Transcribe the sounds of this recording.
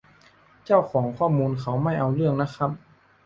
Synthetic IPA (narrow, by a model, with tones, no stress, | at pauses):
t͡ɕa˥˩wkʰɔː˩˦ŋkʰɔː˥˩muː˧nkʰa˦˥wma˥˩jʔa˧wɾɯ˥˩əŋna˦˥kʰa˦˥p̚